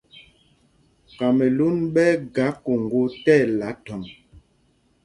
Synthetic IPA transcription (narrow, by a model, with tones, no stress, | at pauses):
ka˨me˨lu˦nɓɛ˦ɡa˨˦ko˨ŋɡo˦tɛ˦˨la˨˦tɔ˨m